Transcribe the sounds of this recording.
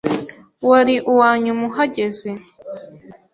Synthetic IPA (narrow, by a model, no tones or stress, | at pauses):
waɾiʔuwaːɲumuɦaɟezi